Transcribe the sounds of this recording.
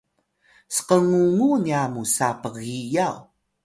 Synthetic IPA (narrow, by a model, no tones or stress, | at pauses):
sə̥qəŋuŋuniamusapəɣijaw